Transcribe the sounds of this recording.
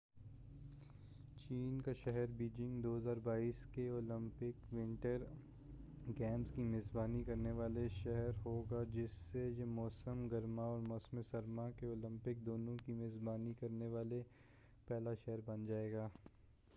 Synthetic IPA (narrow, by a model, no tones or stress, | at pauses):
t͡ʃiːnkaʃɛɦɛɾbiːd͡ʒɪ̃ŋɡd̪oːɦəzaːɾbaːiːskeoːlə̃mpɪkwɪ̃ɳʈəɾ | ɡɛːmskimɪzbaːnikɐɾneʋaːleʃɛɦɛɾɦoːɡad͡ʒɪsːejemɔːsəmɡɐɾmaɔːɾmɔːsmesɐɾmakeoːlə̃mpɪk̚d̪oːnõkimezbaːnikɐɾneʋaːle | pɛːlaʃɛɦɛɾbɐnd͡ʒaːeːɡaː